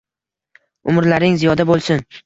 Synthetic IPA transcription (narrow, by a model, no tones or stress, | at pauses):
ʊmɾlaɾɪŋzijɒd̪abolˠsɪn